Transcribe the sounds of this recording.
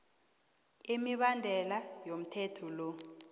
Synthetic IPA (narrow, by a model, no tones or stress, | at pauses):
imiɓandʱɛlajom̩tʰɛtʰɔlo